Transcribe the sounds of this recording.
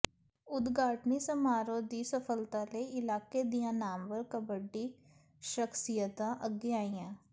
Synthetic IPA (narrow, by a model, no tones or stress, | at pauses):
ʊd̪ɡaːʈnisɐmaːɾõd̪isəfʰəlt̪ãleɪlaːked̪ijãnaːmʋəɾkãbəɖi | ʃəxsijət̪ãʔɐɡjaːijãː